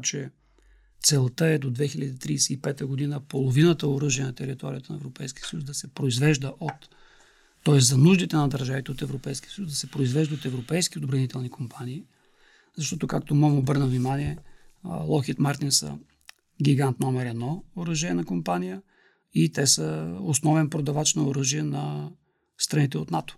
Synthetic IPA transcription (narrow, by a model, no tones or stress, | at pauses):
t͡ʃɛ | t̪sɛlˠt̪əɛd̪od̪vɛxilʲəd̪iːt̪ɾiːsɛipɛt̪əɡod̪inəpolˠovinət̪əoɾɤʒiənɐt̪ɛɾit̪ɔ̰ɾʲijət̪ənɐɛvɾopɛjsk̟i̥ə̥səjuszd̪ɐsɛpɾoizvɛʒd̪əʔot̪ː | ɔɛst̪zɐnuʒd̪it̪ɛnɐd̪ɐɾʒavit̪ɛot̪ɛvɾopɛjsk̟iə̥səjuszd̪ɐsɛpɾoizvɛʒd̪əot̪ɛvɾopɛjskiod̪bɾɐnit̪ɛlˠnikompʰaniː | zɐʃt̪ɔt̪ʊkak̚t̪omɔmobɤɾnəvnimaniɛ | lˠɔxiət̪maɾt̪insə̰ | ɡʲiɡant̪nɔmɛɾɛd̪nɔoɾəʒɛɛnɐkompanijə | it̪ɛsəosnɔvɛmpɾod̪ɐvat͡ʃnoʊɾɤʒiɛnɐ | st̪ɾɐnit̪ɛot̪nat̪o̥